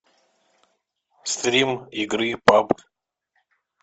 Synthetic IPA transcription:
st̪ɾʲimiɡɾɨpab

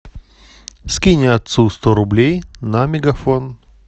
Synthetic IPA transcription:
skʲinʲɪɐt̪sust̪oɾʊblʲejnɐmʲɪɡɐfon

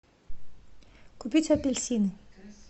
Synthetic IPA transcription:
kupʲit͡sʲɐpʲelʲsʲinɪ

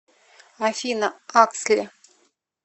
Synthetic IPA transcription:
afʲinəakslʲɪ

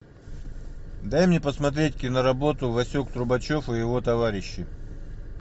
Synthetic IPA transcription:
d̪ajmnʲepəsmɐt̪̬ɾʲetʲkʲɪnəɾɐbo̞t̪ʊvɐsʲokt̪ɾʊbɐt͡ɕo̞fɨjɪvo̞t̪ɐvaɾʲɪɕːɪ

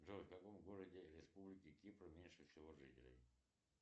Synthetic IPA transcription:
ʐofʲkakomɡoɾədʲɪɾʲɪspublʲɪkʲɪkʲipɾəmʲenʲʂɨfsʲɪvoʐɨtʲɪlʲɪ̰m

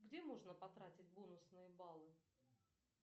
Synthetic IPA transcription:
ɡdʲemo̞ʐnəpɐt̪ɾatʲɪtʲbonʊsnɨjəbalˠɨ

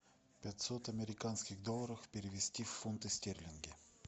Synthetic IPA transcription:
pʲatʲsot̪ɐmʲɪɾʲɪkanskʲɪɣd̪olˠəɾəfpʲɪɾʲɪvʲɪsʲtʲifːunt̪ɨsʲtʲerʲlʲɪnɡʲɪ

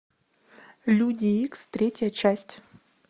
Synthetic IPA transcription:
lʲudʲɪikst̪ɾʲetʲɪjət͡ɕæsʲtʲ

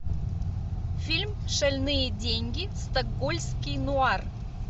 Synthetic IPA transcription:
fʲilʲmʂɐlʲnɨjədʲeŋʲɡʲɪst̪ɐɡːolʲskʲijnʊar

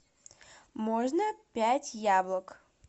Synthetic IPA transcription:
mɔʐnəpʲætʲjablˠək

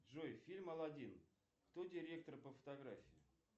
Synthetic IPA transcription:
ʐojfʲilʲmɐlˠɐdʲin | kt̪odʲɪɾʲe̞k̚t̪ərpəfə̥t̪aɡɾafʲɪjʊ

